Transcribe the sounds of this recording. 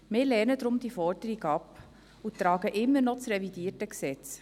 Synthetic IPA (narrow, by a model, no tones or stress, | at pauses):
mɪːɾlɛːnəd̪ɾʊmd̥ifɔɾdəɾiɡɑp | ut̪ɾɑːɡəʔɪmːənɔt͡srɛvidiːətəksɛt͡s